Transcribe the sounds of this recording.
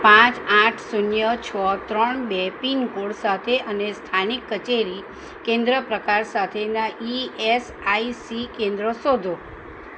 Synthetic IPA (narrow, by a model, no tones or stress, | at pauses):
pãt͡ʃãʈʰsunjət͡ʃʰɔt̪ɾəɳbepinkoɽsat̪ʰeʔənest̪ʰanikːət͡ʃeɾi | kẽnd̪ɾəpɾəkaɾsat̪ʰenaʔies | aisikẽnd̪ɾəsod̪ʱo